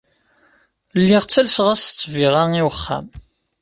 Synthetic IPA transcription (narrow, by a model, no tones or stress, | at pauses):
lːiʁt͡sːælsʁæst͡sːviʁaŋiwəχːæ̰m